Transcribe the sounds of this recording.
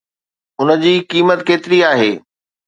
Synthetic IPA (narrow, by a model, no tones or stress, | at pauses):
ʊnə̆d͡ʑiːkiːmət̪keːt̪ɪɾiaːɦeː